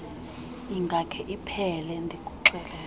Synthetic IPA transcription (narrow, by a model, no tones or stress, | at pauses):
iŋɡʱakʰɛʔipʰɛlɛndʱikʼu̥ǁɛːlɛ